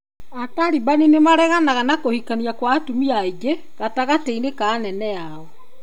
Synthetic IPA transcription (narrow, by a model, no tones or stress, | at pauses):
ataɾibaninemaɾɛɣanaɣanakohikaniakwatumiaiɡe | ɣataɣateinekaːnɛnɛa | ɔ